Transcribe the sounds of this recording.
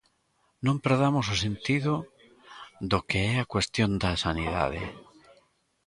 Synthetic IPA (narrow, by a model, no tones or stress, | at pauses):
nõmpeɾðamososẽnt̪iðo | ðokeɛakwest̪jõnd̪asaniða̰ðḛ